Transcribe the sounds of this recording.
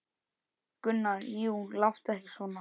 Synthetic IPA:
kʏnːaɾiunlawht̪ɛhcɪ̥svɔːna

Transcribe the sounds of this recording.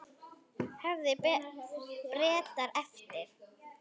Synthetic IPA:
hɛvðɪ | pɾɛːt̪aɾɛft̪ɪɾ̥

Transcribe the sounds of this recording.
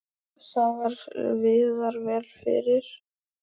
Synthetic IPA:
θavaɾvɪðaɾvɛːlfɪ̰ɾɪɾ̥

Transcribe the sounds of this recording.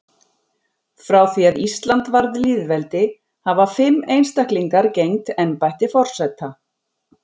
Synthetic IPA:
fɾaːwθiaðist̪lant̪vaɾðɪliðvɛlt̪ɪ | havafɪmːejnst̪ahkliŋkaɾcejŋt̪ɛnpajht̪ɪfɔr̥sɛt̪ʰːa

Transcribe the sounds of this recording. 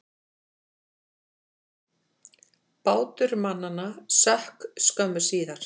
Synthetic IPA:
paːwt̪ʏɾmanːanasɛhkskœmʏɾ̥siːðaɾ̥

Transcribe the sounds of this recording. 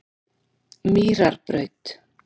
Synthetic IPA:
miːɾaɾpɾœɥt̪

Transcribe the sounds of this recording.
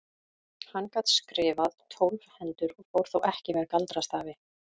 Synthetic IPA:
hanːkat̪skɾɪːvaðt̪ʰowlfhɛnt̪ʏɾɔɣfowɾ̥θowʔɛhcɪmɛðkalt̪ɾast̪aːvɪ

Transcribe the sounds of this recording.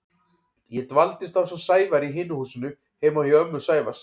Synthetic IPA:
jɛt̪valt̪ɪst̪θawsɛmsaːjvaɾiɦɪːnʏhuːsɪnʏ | heːjmawhjɛœmːʏ̥saːjva̰s

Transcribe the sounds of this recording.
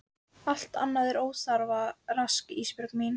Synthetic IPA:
al̥t̪a̰nːaðɛɾoːwθaɾvaraskispʏɾkmin

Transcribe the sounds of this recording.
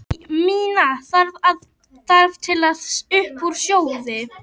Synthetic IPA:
miːnaθaɾvað | θaɾv̥t̪ʰɪlaðʏhpuɾ̥sjoːwðɪ

